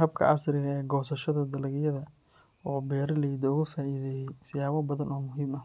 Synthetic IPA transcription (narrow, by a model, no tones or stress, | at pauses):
hɐb̚kʰɐ̰ʔɐ̰srɪɣɐɛːɡɔːsɐʃɐðɐd̪ɐlɐɣɪjɐðɐ | ɔːbɛːɾɐlɐjd̪ɔʊɣɐfaːʔiðɛːjɛjsɪjaːwɔbɐðɐnɔːmʊɦiːmɐ